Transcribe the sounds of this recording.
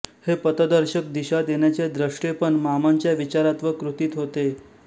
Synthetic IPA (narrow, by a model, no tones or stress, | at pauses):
hepət̪əd̪əɾɕək̚d̪iɕad̪jenjat͡sed̪ɾəʂʈepəɳmamaɲt͡ɕjaʋit͡ɕaɾat̪ʋəkɾut̪iːt̪ɦot̪e